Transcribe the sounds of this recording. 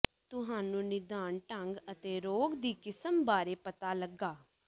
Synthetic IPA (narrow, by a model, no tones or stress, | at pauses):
t̪ʊɦaːnũːnɪd̪aːɳʈə̃ŋɡət̪eːɾoːɡd̪iːkɪsəmbaːɾeːpət̪aːləɡːaː